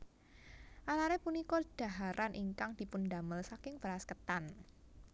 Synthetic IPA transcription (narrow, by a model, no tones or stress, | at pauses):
ʔalaɾɛpunikɔd̥a̤ɦaɾʔanʔiŋkaŋd̥i̤pundaməlsakɪŋb̥əɾaskət̪an